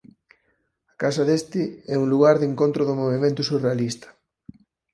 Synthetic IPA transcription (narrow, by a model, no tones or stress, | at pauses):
ɐkasɐðest̪ɪɛuŋluɣaɾðeŋkõnt̪ɾʊðʊmoβ̞imẽnt̪ʊsurealist̪ɐ̥